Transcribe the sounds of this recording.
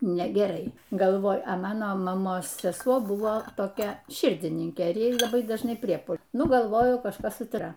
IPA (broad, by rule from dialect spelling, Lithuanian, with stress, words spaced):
nʲɛɡʲɛˈrɐɪ ɡɐlˠˈʋoːjʊ ɐ ˈmɑːnoː mɐˈmoːs sʲɛˈsuɔ ˈbʊʋoː toːˈkʲɛ ˈʃʲɪrʲdʲɪnʲɪŋʲkʲeː ˈjɛɪ lˠɐˈbɐɪ dɐʒˈnɐɪ ˈpʲrʲiɛpʊ ˈnʊ ɡɐlˠˈʋoːjʊ kɐʃˈkɐs sʊ ˈtrɐ